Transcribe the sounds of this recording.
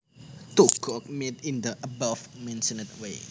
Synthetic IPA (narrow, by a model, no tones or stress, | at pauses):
t̪uɡ̥ɔk̚met̪ɪnd̪əʔəbafmɛ̃nsənət̪̚we